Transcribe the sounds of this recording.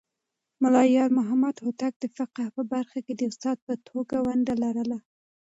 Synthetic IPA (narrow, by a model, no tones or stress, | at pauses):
mʊlɑjɑɾmʊɦamad̪hot̪ak̚d̪̥əfɪqahpəbaɾxaked̪əʊst̪ɑd̪̚pət̪ʰoɡawaɳɖalaɾəla